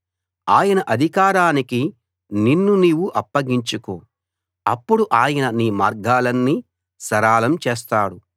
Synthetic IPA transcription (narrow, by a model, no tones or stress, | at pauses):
aːjɐnɐʔɐd̪ʱikaːɾaːniki | ninːuniːwuʔɐpːɐɡiɲt͡ʃukoː | ɐ̰pːuɽuʔaːjɐnɐniːmaːɾɡaːlɐnːi | sɐɾaːlɐmt͡ʃeːs̬t̪aːɽu